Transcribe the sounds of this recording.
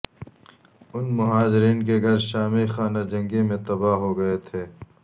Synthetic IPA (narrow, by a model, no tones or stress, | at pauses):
ʊnmʊɦaːd͡ʒɪɾiːnk̬eɡʱɐɾʃaːmixaːnad͡ʒɐ̃ŋɡemẽt̪ɐbaːɦoɡɐet̪ʰeː